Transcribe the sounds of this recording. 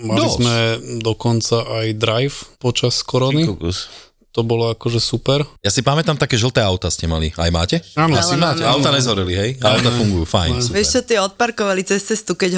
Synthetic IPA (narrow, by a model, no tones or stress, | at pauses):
maizmɛd̪ɔkɔnt͡saʔajd̪ɾajfpɔt͡ʃaskɔɾɔni | t̪ɔbɔlɔakɔʒɛsupɛɾjasipamɛt̪amt̪akɛːʒl̩ˠt̪ɛːaʊt̪ascɛmalḭa̰jma̰ːcɛaːnasimaːcɛaʊt̪aːɲɛzɦɔɾiliɦɛjaʊt̪afuŋɡujṵːfa̰jnsʋɛʃt͡ʃɔt̪ɪɛɔt̪̚paɾkɔʋalit͡sɛst͡sɛst̪ukɛɟ